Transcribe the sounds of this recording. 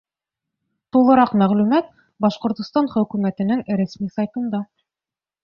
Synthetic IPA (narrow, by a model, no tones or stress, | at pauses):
t̪ulˠɤ̆ɾɑqmæʁlʉmæt̪̚ | bɑʃqŏɾt̪ŏst̪ɑnχɵ̆kʉmæt̪ɘ̆nɘŋɾæsmisɑjt̪ɤ̆nd̪ɑ